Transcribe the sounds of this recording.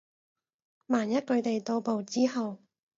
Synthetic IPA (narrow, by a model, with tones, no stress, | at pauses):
maː˨˩njɐ˥t̚kɵ˨˧ɥt̪e˨jt̪o˧wpo˨˧wt͡siː˥ɦɐ˨w